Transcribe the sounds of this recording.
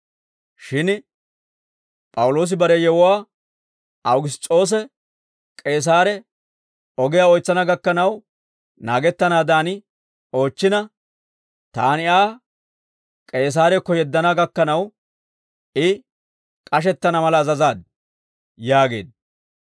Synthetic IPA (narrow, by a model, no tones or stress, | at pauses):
ʃɪn | pʼɐwʊlo̞ːs̬ɪbɐɾɛjɛwʊwaː | ɐwɡɪs̬t̪ʼːo̞ːs̬ɛ | kʼe̞ːs̬aːɾɛ | ɔɡɪjaːɔjt͡sːɐnɐɡɐkːɐnɐw | naːɡɛt̪ːɐnaːd̪aːnɪ | o̞ːt͡ʃːɪnɐ | t̪aːnɪaː | kʼe̞ːs̬aːɾɛkːɔjɛd̪ːɐnɐɡɐkːɐnɐw | ɪ | kʼɐʃ̬ɛt̪ːɐnɐmɐlɐːzɐzaːd̪ | jaːɡe̞̰ːd̪